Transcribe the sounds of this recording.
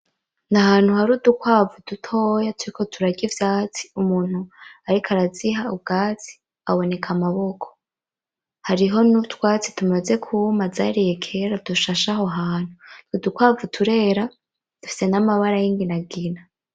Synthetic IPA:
naɦaːn̥huhaɾuːdukwaːvud̥utʰojatʰuɾikʰo̞tʰuɾaɟivjaːt͡si̥umuːn̥huaɾikʰaɾaziɦaubɡaːt͡si̥ | aβo̞ne̞kʰamaβo̞kʰo̥ | haɾiɦo̞nutwaːt͡si̥tumaze̞kʰumaza̰ɾijekʰeɾad̥uʃaʃaɦoɦaːn̥huudukwaːvutʰuɾe̞ːɾa | d̥ufi̥se̞namaβaɾajiːŋɡinaɡina

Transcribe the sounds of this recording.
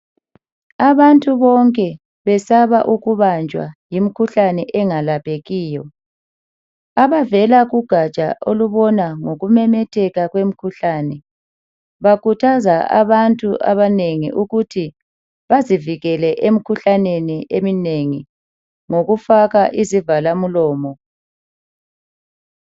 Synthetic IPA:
aβantʼuβɔŋkʼɛ | βɛsaβaʔuɣuβand͡ʒʱwa̰jimikʰuɬanɛʔɛŋalapʰʼeɣiːjɔ | aβavɛlaɣuɡ̥ʱat͡ʃʼa̰ʔoluβɔnaŋoɣumɛmɛtʰɛɣaɣwem̩kʰuɬaːnɛ | βakʰutʰazaa̰βantʼuʔa̰βaneŋḭʔuɣutʰi | βaziviɣɛlɛʔem̩kʰuɬaneniʔemineŋi | ŋoɣufaɣaʔizivalamulɔːmɔ

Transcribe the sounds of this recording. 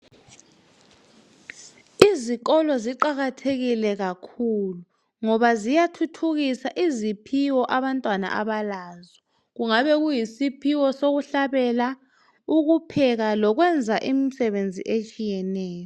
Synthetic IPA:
iziɣɔlɔziǃaɣatʰeɣilɛɣakʰulu | ŋɔβazijatʰutʰuɣisaʔizipʰiwɔʔaβantʼwana̰ʔa̰βalaːzɔ | ɣuŋaβɛɣujisipʰiwɔsoɣuɬaβɛla | uɣupʰɛɣalɔɣ̬wɛnd͡zʱaʔimisɛβend͡zʱḭʔet͡ʃʼijɛnɛːjɔ

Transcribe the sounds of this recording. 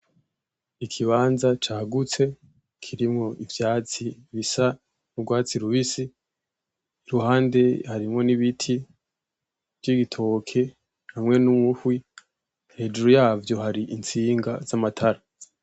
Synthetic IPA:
ikʰiβaːnzat͡ʃaːɡut͡se̞ | kʰiɾimŋo̞ʔivjaːt͡siβisa | nuɡwaːt͡siɾuβisi | iɾuhaːnde̞haɾimŋo̞niβitʰi | vjiɡitʰo̞kʰe̞ | hamŋe̞numŋuhwi | he̞ːd͡ʒuɾujaːvjo̞haɾiʔint͡siːŋɡaz̥amatʰaɾa

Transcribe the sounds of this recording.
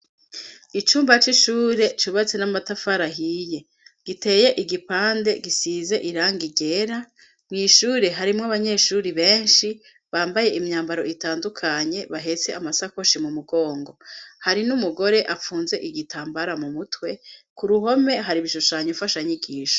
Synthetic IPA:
it͡ʃuːmbat͡ʃiʃuːɾe̞t͡ʃuβat͡se̞namatafaɾaɦije̞ | ɡ̥ite̞je̞ʔiɡipaːnde̞ɡisiːze̞ʔiɾaːŋɡiɡe̞ɾa | mŋiːʃuːɾe̞ɦaɾimŋaβaɲe̞ʃuɾiβe̞ːnʃi | βaːmbaje̞ʔimɲaːmbaɾo̞itaːndukʰaɲe̞βaɦe̞t͡se̞ʔamasako̞ʃimumuɡo̞ːŋɡo̞haɾinumuɡo̞ɾe̞ʔafuːnze̞ʔiɡitʰaːmbaɾamumutwe̞ | kuɾuɦo̞me̞ɦaɾiβiʃuʃaɲufaʃaɲiɡiːʃo̥

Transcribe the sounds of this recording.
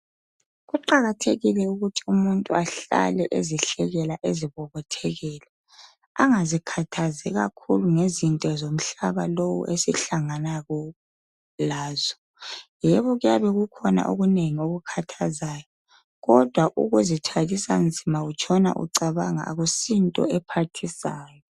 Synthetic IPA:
ɣuǃaɣatʰeɣilɛuɣutʰiumuntʼuaɬa̰lɛʔeziɬɛɣɛlaʔeziβɔβɔtʰɛɣɛːlɛ | aŋazikʰatʰazɛɣakʰuluŋezintʼɛzom̩ɬaβalowṵʔesiɬaŋanaɣɔ | laːzɔ̥ | jɛβɔɣujaβɛɣukʰɔna̰ʔo̰ɣuneŋioɣukʰatʰazaːjɔ | ɣɔd̥ʱwaʔṵɣuzitʰaɣisa̰nd͡zʱimaɣut͡ʃʰʼɔna̰ʔṵǀaβaŋa̰ːɣusintʼɔ̰ɛpʰatʰisaːjɔ

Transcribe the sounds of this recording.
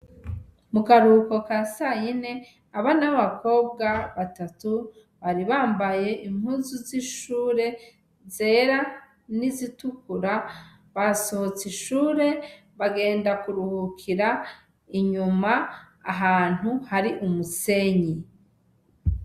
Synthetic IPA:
mukaɾuko̞kasajine̞ | aβanaβako̞ːbɡaβatatu | βaɾiβaːmbaje̞ʔim̥huːzuziʃuːɾe̞ | ze̞ːɾa | nizitukuɾa | βaso̞hot͡siʃuːɾe̞ | βaɡe̞ːndakuɾuhukʰiɾa | iɲumaː | ɦaːn̥huhaɾiʔumuse̞ɲi

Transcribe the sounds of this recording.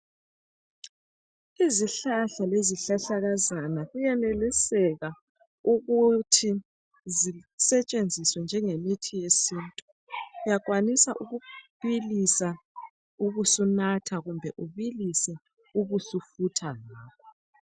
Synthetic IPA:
iziɬaɬaleziɬaɬaɣazanaɣujɛnelisɛɣa | uɣutʰi | zisɛt͡ʃʼend͡zʱiswɛnd͡ʒʱɛŋemitʰijesintʼu | jaɣwanisa̰ʔuɣuβilisa | uɣusunatʰaɣumbʱɛʔuβilisɛ | uɣusufutʰalaːβʰɔ

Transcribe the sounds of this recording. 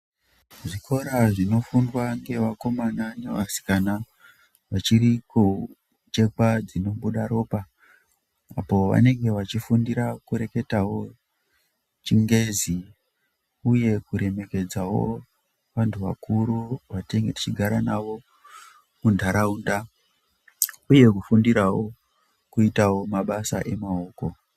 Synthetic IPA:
ʐikʰo̞ɾaʐino̞fundwaŋɡe̞ʋako̞mananeʋasi̥kana | ʋat͡ʃiriko | t͡ʃe̞kad͡zino̞ɓuɗaɾo̞ːpa | a̰po̞ʋa̰ne̞ŋɡe̞ʋat͡ʃifundiɾakuɾe̞ke̞tawo̞ | t͡ʃiŋɡe̞zi | uje̞kuɾe̞me̞ke̞d͡zawo̞̰ | ʋantʰuʋa̰kʰuɾuʋateŋɡeti̥t͡ʃiɡʱaɾanaʋo̞ | mundʱaɾaunda | uje̞kufundiɾawo̞ | kuitawo̞maɓasa̰ʔe̞mao̞ːko̞

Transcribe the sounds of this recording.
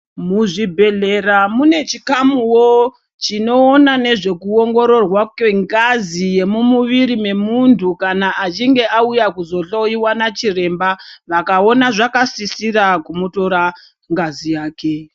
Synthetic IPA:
muʐibʱe̞ɮe̞ramune̞t͡ʃikamuwo | t͡ʃino̞ːnane̞ʐe̞kuoŋɡo̞ɾo̞rwakweŋɡazije̞mumuʋiɾime̞muntʰukanaːt͡ʃiŋɡe̞aujakuzo̞ɬoiwanat͡ʃire̞mbaʋakao̞naʐakasisiɾakumuto̞ɾa | ŋɡazijaːke̞

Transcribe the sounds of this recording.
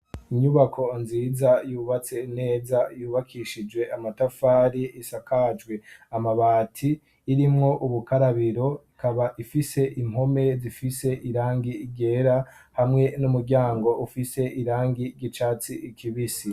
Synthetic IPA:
iɲuβakʰo̞nziːzajuːβat͡se̞in̥e̞ːzajuːβakʰiʃid͡ʒwe̞ʔamatafaːɾiisakad͡ʒɡwe̞amaβaːtʰiː | ɾimŋo̞ʔuβukaɾaβiɾo̞ikaβaʔifise̞ʔim̥ho̞me̞zifise̞ʔiɾaːŋɡiːɡe̞ɾa | hamŋe̞numuɾɟʲaːŋɡo̞ufise̞ʔiɾaːŋɡiɾɟit͡ʃaːt͡siʔikʰiβisi

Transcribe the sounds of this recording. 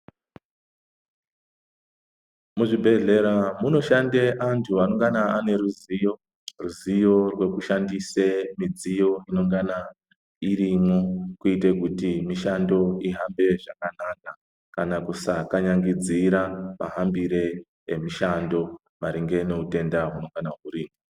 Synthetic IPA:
muʐibʱe̞ɮe̞ɾamuno̞ʃandeʔantʰuano̞ŋɡanaane̞ɾuzijo̞ | ruzijo̞rwe̞kuʃandisemid͡zijo̞ino̞ŋɡana | irimokuitekutimiʃando̞iɦambe̞ʐakanaka | kanakusakaɲaŋɡid͡ziɾama̰ɦambiɾe̞ | emiʃando̞ | maɾiŋɡe̞ne̞ute̞ndaɦuno̞ŋɡanaɦuɾiːmo

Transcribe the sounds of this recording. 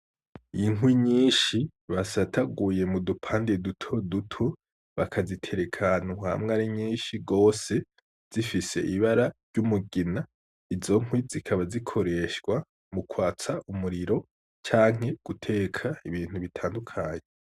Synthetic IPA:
ijiŋwiɲiːnʃiβasatʰaɡuje̞mudupʰaːndedutʰo̞dutʰu | βakʰazitʰe̞ɾe̞kʰanuha̰mŋaɾiɲiːnʃiɡo̞ːse̞ | z̥ifise̞̰ʔiβaɾaɾɟumuɡina | izo̞ŋ̥wizikʰaβazikʰo̞ɾe̞ʃɡwa | mukwaːt͡saʔumuɾiɾo̞ | t͡ʃaːŋ̥ɦe̞ɡ̥utʰe̞ːkʰaiβiːn̥huβitʰaːndukʰaːɲe

